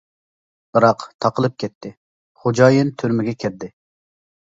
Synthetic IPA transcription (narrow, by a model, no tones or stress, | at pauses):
b̥ɨɾɑqt̪ʰɑqəlˠɨp̚kʲɛt̪ʰːɪ | χod͡ʒɑːjɨnt̪ʰyɾmɪɡʲɛkʲʰɛɾd̪ɪ